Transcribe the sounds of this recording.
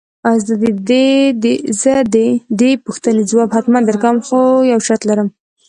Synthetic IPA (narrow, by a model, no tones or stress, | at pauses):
azd̪əd̪ed̪ed̪ezəd̪ed̪epuxt̪ənezwɑbhat̪mand̪əɾkawəmxojawʃaɾt̪laɾəm